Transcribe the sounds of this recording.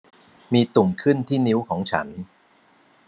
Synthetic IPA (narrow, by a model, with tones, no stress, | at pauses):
miː˧t̪u˨˩ŋkʰɯ˥˩nt̪ʰiː˥˩ni˦˥wkʰɔː˩˦ŋt͡ɕʰa̰˦˥n